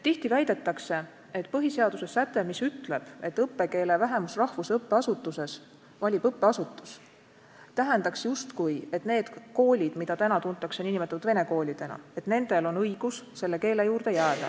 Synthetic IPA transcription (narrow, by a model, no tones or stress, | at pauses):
t̪iht̪ivæjd̪̥e̞t̪ːˑɑkse̞ | e̞t̪ːˑpɤɦise̞ɑd̪̥use̞sæt̪ːˑe̞misyt̪ˑle̞b̥e̞t̪ːɤpːe̞ke̞ːle̞væɦe̞musrɑhvusɤpːe̞ɑsut̪ːˑuse̞s | vɑlʲib̥ɤpːe̞ɑsut̪ːˑu̥s | t̪æɦend̪ɑksjust̪kujet̪ne̞ːd̪̥ko̞ːlʲid̪̥mid̪ɑt̪ænɑt̪unt̪ːˑɑkseninimet̪ːut̪ve̞ne̞ko̞ːlʲid̪̥e̞nɑ̰e̞t̪ne̞nd̪e̞lo̞nɤjɡ̥usse̞lːe̞ke̞ːle̞juːrd̪̥e̞jæːd̪̥ɑ̰